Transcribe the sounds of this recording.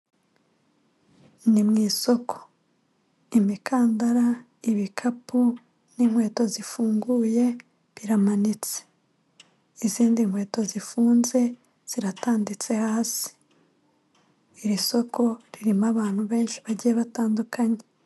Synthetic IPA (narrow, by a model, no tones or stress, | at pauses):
nimŋiːso̞kʰo̥ | imikʰaːndaɾa | iβikʰapu | niŋ̥hwe̞ːto̞zifuːŋɡuːje̞ | βiɾamanit͡se̥ | iziːndiŋ̥we̞ːto̞zifuːnze̞ | z̥iɾataːndit͡se̞haːsi̥ | iɾiso̞kʰo̞ɾiɾimaβaːn̥huβe̞ːnʃiβaɟijeβataːndukʰaɲe